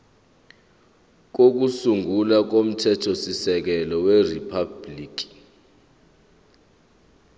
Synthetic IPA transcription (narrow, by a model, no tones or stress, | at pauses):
k̬ok̬usuŋulak̬om̩tʰɛtʰosisɛk̬ɛlɔweripʰabliːk̬i̥